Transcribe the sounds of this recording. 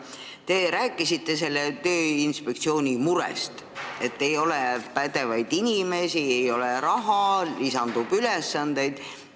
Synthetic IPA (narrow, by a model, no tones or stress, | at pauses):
t̪e̞ɾæːkːˑisit̪ːe̞s̬e̞lːe̞t̪ø̞ːinspekt̪sio̞ːnʲimuɾḛst̪ | e̞t̪ːe̞jo̞lepæd̪e̞vɑjd̪inʲime̞sie̞jo̞leɾɑɦɑlisɑnd̪̥ub̥ylesːɑnd̪̥e̞jd̪̥